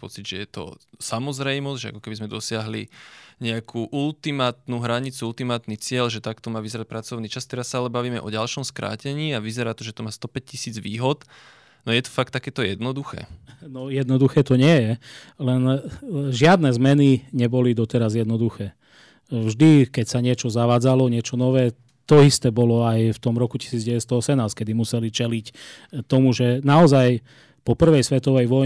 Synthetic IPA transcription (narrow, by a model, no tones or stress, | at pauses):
pɔ̰t͡sidʒɛjɛt̪ɔ̰samɔzɾɛjmɔzʒɛa̰kɔ̥kɛbizmɛd̪ɔsɪaɦlḭɲɛakʰuːʔult̪imaːt̪nuɦɾaɲit͡suult̪imaːt̪nit͡sɪɛʎʒɛt̪akt̪ɔmaːʋizɛɾac̚pɾat͡sɔʊniːt͡ʃast̪ɛɾasːaalɛbaʋiːmɛ̰ʔɔɟalʃɔmskɾʔa̰ːcɛɲiːaʋizɛɾaːt̪ɔʒɛt̪ɔmaːst̪ɔpɛc̚cisiːd͡zʋiːɦɔt̪ | nɔjɛt̪ɔ̥fak̚t̪ːakɛːt̪ɔjɛd̪nɔd̪uxɛ̰ːnɔjɛd̪nɔd̪uxɛːt̪ɔɲɪɛjɛ | lɛnʒɪad̪nɛzmɛniɲɛbɔlid̪ɔt̪ɛɾazjɛd̪nɔd̪uxɛː | vʒd̪ikɛcsaɲɪɛt͡ʃɔzaʋaːd͡zalɔɲɪɛt͡ʃɔnɔʋɛː | t̪ɔist̪ɛːbɔlɔajft̪ɔmɾɔkuci̥siːd͡zɟɛʋɛt̪st̪ɔɔsɛmnaːsckɛd̪imusɛlit͡ʃɛlict̪ɔmuʒɛnaɔzaj | pɔpr̩ʋɛjsʋɛt̪ɔʋɛjʋɔj